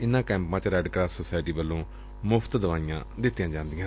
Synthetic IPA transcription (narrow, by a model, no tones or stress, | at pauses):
ɪnːãːkɛ̃ːmpãːt͡ʃɾɛːɖkɾaːssoːsaːɪʈiːbəlːõː | mʊpʰt̪d̪əʋaːɪjã̰ːd̪ɪt̪ːijãːd͡ʒãːnd̪iːãː